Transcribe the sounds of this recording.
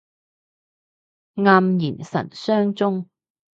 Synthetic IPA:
ŋaː˧mjiː˨˩nsɐ̰˨˩nsœː˥ŋt͡sʊ˥ŋ

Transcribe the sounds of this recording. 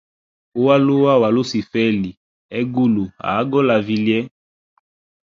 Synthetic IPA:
u˦wa˦lu˦wa˦wa˨lu˦si˨fɛ˦li˨ | ɛ˦ɡu˦lu˨a̰˨˦ɡɔ˦la˨vi˦ljɛ˦

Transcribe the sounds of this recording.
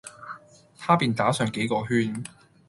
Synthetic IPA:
t̪ʰaː˥piː˨nt̪aː˨˥sœː˨˧ŋke˨˥jkɔː˧ɦyː˥n

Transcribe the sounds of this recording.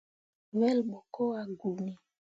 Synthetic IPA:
wɛ˦lbo˨ko˦a˨ɡu˨mi˨

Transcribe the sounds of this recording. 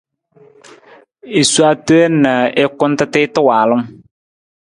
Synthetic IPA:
i˨su˦a˦tu˦e˦na˨ɪ˦kʊ˦n˦tɪ˦tɪː˦tɪ˦waː˨lʊ˦ŋ

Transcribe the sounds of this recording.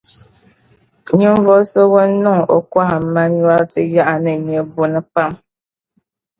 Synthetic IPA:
ɲi˦ɱ˦vɔ˦so˦wɔ˦n˦nɔ˦ŋo̰˦kwa˦ha˨m̩˦ma˦ɲ˦wa˦lti˦ja˦ʔa˨nə˨mi˨e˦bo˦nə˦pa˦˨m

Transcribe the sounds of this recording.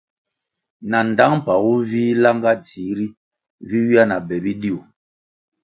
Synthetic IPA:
na˨n˨da˦ŋ̩˦˨pa˨wu˦vi˦la˦ŋɡa˦t͡si˨˦ɾi˦ | vi˦wi˦a˦na˨bɛ˨bi˦di˦o˨

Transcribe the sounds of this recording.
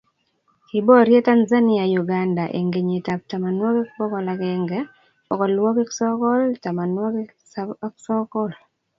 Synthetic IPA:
i˨bɔ˦ɾje˦ta˦nza˦ni˦a˨ju˨ɡa˨nda˨ʔḛ˨ŋɡe˨ɲe˨ta˨p̚ta˨ma˨nwɔ˦ki˦kpɔ˦kɔ˨la˨kɛŋɡɛ˦ | ɔ˨kɔ˨lwɔ˦ki˦ksɔ˦kɔ˦lta˨ma˨nwɔ˦k | ksɔ˦kɔ˦l

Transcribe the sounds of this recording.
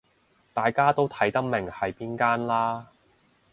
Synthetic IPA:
t̪aː˨jkaː˥t̪o˥wt̪ʰɐ˨˥jt̪ɐ˥k̚mɪ˨˩ŋhɐ˨jpiː˥nkaː˥nlaː˥

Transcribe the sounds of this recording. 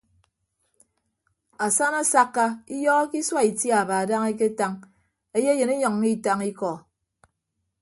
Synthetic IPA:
a˨sa˦na˦sa˦kːa˦i˦jɔː˦ɣɔ˦ki˦swa˦i˨tja˨ba˨a˨da˦ŋe˦k̬e˦ta˦ŋ | e˦je˦jɨ˨ne˦ɲɔ˨ŋːi˦˨ta˦ŋi˦kɔ˨

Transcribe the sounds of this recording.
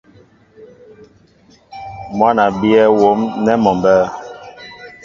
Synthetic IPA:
mwa˦na˨bi˦ɛ˦wo˨˦mnɛ˦mɔ˨mbɛ˦

